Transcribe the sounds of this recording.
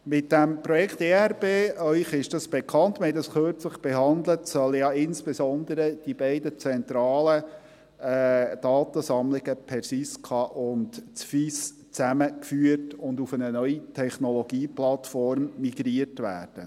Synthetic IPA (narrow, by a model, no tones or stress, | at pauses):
mɪtd̥æmpɾɔjɛkʰteːæɾb̥eːœʏχɪʃd̥ɑsb̥ekʰɑntmhɛtdɑsχøɾt͡sləχb̥ɛɦɑnd̪lətsœlːəjɑɪnsb̥esɔnd̪əɾəd̥ibɛɪdət͡sɛnt̪ɾɑːlə | ɛd̥ɑːt̪əsɑmlɪɡəpʰɛɾsiskʰɑːʔʊndt͡sfis | t͡sæməkfyətʊndufənənœʏitʰɛχnɔlɔɡ̥iːplɑtfɔrmːiɡ̥ɾiərtʋæ̰ːrd̥ə̰